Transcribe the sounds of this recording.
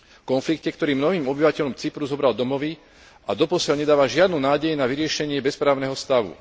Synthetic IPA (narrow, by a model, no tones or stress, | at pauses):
kɔnflikcɛkt̪ɔɾiːmnɔɦiːmɔbiʋacɛʎɔmt͡sipɾuzɔbɾald̪ɔmɔʋi | ʔad̪ɔpɔsɪalɲɛd̪aːʋaʒɪad̪nuːnaːɟɛjnaʋiɾɪɛʃɛɲɪɛbɛspɾaːʊnɛɦɔst̪aʋṵ